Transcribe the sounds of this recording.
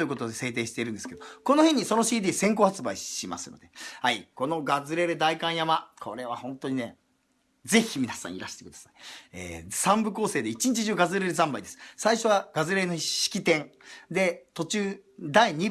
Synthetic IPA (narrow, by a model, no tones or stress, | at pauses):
ojɯ̟ko̞t̪od̪ese̞ːt̪̬e̞ːɕi̥t̪e̞iɾɯ̟nd̪esɨ̥ke̞d̪oko̞nohẽ̞ɲ̟ːiso̞no̞ɕiːd̪ʲiːsẽ̞ŋko̞ːhat͡sɨbaiɕima̰sɨ̰no̞̰d̪ehaiko̞no̞ɡazɨɾe̞ɾed̪aikãɰ̃jamakʰo̞ɾe̞βahõ̞nt̪o̞ɲ̟ine | ze̞çʲimʲinasã̰iɾaɕi̥t̪e̞kɯd̪ḁsai̥ḛːsãmbɯ̟ko̞ːseːd̪e̞it͡ɕiɲ̟it͡ɕiʑɨːɡazɨɾeɾɯzãmbaid̪esɨ̥saiɕo̞βaɡ̥azɨɾe̞noɕi̥kʲit̪ẽ̞ŋd̪e̞t̪o̞t͡ɕɨːd̪aiɲ̟i